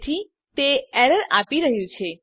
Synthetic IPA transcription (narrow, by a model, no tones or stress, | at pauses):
t̪ʰi | t̪eɛɾəɾapiɾəɦjũt͡ʃʰe